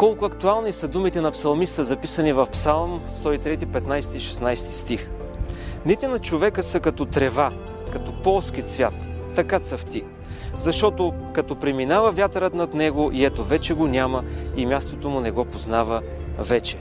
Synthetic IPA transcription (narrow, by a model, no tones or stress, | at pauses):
kɔlˠkʊɐkt̪ualˠnisɐd̪umit̪ɛnɐpsɐlˠmist̪əzɐpisənivɐfpsalˠmst̪ɔit̪ɾɛt̪ipɛt̪najst̪iʃɛsnajst̪i̥st̪ix | nit̪ɛnɐt͡ʃovɛkəsəkɐt̪ɔt̪ɾɛva | kɐt̪ɔpɔlˠsk̟it̪svʲjat̪ː | ɐkat̪səft̪i | zɐʃt̪ɔt̪okɐt̪ɔpɾɛminavɐvʲjat̪əɾət̪nɐt̪nɛɡoʔiɛt̪ovɛt͡ʃɛɡonʲaməimʲjast̪ot̪omʊnɛɡɔpoznavə | vɛt͡ʃɛ̥